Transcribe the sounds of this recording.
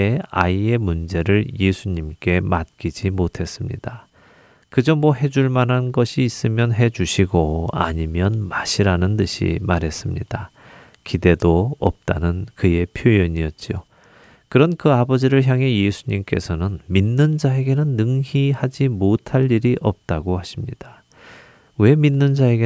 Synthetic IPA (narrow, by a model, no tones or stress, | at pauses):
eaie̞mund͡ʑe̞ɾɯɭje̞sʰuɲimk͈e̞mat̚k͈id͡ʑimotʰe̞s͈ɯmɲḭda | kɯd͡ʑʌmmwʌɦe̞d͡ʑuɭmanɦanɡʌɕʰiːs͈ɯmjʌnɦe̞d͡ʑuɕʰiɡoa̰ɲimjʌnmaɕʰiɾanɯntɯɕʰḭmaɾɦe̞s͈ɯmɲḭd̥a | kide̞doʌ̰p̚t͈anɯnkɯe̞pʰjojʌɲiʌt̚t͡ɕ͈o | kɯɾʌnkɯabʌd͡ʑiɾɯɭçjaŋɦe̞je̞sʰuɲimk͈e̞̰sʰʌnɯnminːɯnd͡ʑae̞ɡe̞nɯnːɯŋihad͡ʑimotʰaʎːiɾiʔʌp̚t͈aɡohaɕʰimɲid̥ḁ | we̞minːɯnd͡ʑae̞ɡe